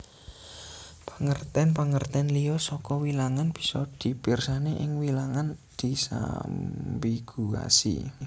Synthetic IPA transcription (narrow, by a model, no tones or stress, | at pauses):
paŋərt̪ɛnpaŋərt̪ɛnliɔsɔkɔwilaŋanb̥i̥sɔd̪̥i̤b̥irsaneʔɪŋwilaŋand̪̥isa̰ | biɡ̥ua̰sḭ